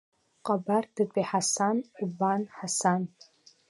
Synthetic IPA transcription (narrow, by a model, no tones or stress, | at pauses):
qʼabardɨtʼiħasanʼubanħasan